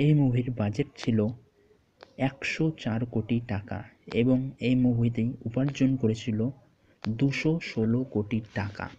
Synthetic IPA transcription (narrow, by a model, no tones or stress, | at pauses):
ejmuɦiɾbad͡ʑeʈ̚t͡ɕʰilo | ɛkʃot͡ɕaɾkoʈiʈaka̰eboŋejmoɦit̪ejupaɾd͡ʑonkoɾet͡ɕʰilo | d̪uʃoʃolokoʈiʈaka̰